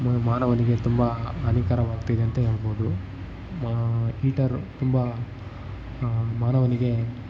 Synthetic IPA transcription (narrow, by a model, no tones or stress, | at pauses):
maːnɐʋɐniɡe̞t̪umbɐɐnikaɾɐʋaːɡ̚t̪ɐjd̪eɐnt̪ɐɦeːɭboːd̪u | iːʈɐɾt̪umbɐ | maːnɐʋɐniɡe̞